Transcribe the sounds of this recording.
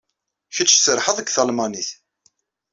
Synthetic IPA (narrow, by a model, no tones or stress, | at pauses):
çət͡ʃːsəɾħəðˤəɡθəlmɑniθ